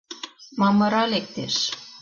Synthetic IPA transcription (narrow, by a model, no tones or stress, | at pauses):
mɑmɤ̆ɾɑlek̚t̪eʃ